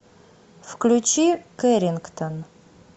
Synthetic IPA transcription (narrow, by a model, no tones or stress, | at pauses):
fklʲut͡ɕikeɾʲɪnkt̪on